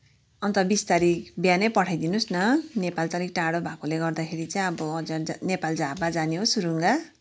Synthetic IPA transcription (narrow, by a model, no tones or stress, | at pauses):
ʌnt̪ʌbist̪aɾikbjanʌjpʌʈʰajd̪inusnʌnepalt͡sʌɾik̚ʈaɽobʱakoleɡʌrd̪akʰeɾit͡saĩʌbʌːd͡zʌnepald͡zabad͡zaneɦosuɾuŋɡa